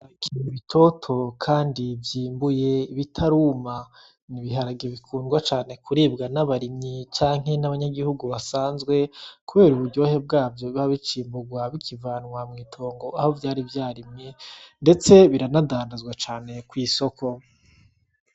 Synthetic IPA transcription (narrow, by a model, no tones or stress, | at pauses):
aβikʰiniβitʰo̞tʰo̞kʰaːndivjiːmbuje̞iβitʰaɾuːma | niβiɦaɾaɡeβikʰuːnɡwat͡ʃaːne̞kuɾiːbɡanaβaɾimɲit͡ʃaːŋ̥he̞naβaɲaɡihuɡuβasaːnzɡwe̞kuβe̞ːɾuβuɾɟo̞ːhe̞bɡaːvjo̞βaβit͡ʃiːmbuɡwaβikʰivaːnŋwamŋiːtʰo̞ːŋɡo̞aho̞vjaːɾivjaːɾimɲende̞t͡se̞βiɾanadaːndazɡwat͡ʃaːne̞kwiːso̞kʰo̞